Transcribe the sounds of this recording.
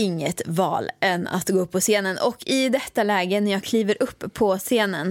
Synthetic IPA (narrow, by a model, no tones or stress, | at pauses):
ɪŋːət̪vɑ̰ːlɛnːa̰t̪ɡoːɵpːɔseːnənʔɔkʰːɪd̪ɛt̪ːalɛːɡənæɾjɑːɡkʰliːvəɾʔɵpːʰɔseːnən